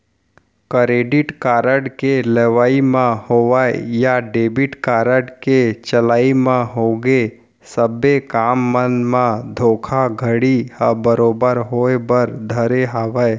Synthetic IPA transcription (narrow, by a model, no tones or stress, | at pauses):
kəɾeːɖɪʈkaːɾəɽkeleʋaːimãhoʋaejaɖeːbɪʈkaːɾəɽket͡ʃəlaːimãɦoɡe | səbekaːmːənmãd̪ʱoːkʰaɡʱəɽihəbəɾoːbəɾɦoːebəɾd̪ʱəɾeɦaːʋae